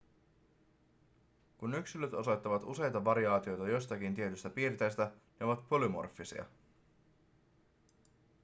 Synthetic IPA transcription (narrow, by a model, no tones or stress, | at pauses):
kunyksiløt̪o̞so̞jt̪ːɑʋɑt̪use̞jt̪ɑʋɑɾiɑːt̪io̞jt̪ɑjo̞st̪ɑkint̪ie̞t̪yst̪æpiːɾt̪ejst̪æneo̞ʋɑt̪po̞lymo̞̰rfːisḭɑ̰